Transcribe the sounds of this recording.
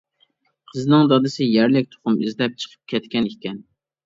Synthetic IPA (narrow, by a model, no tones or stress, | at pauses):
qʰəznɨŋd̪ɑd̪ɨsɪjæɾlɪk̚ʲt̪ʰo̥χʊmizlɛp̚t͡ʃʰə̥qʰə̥p̚kʲʰɛt̪kʲɛnikʲɛn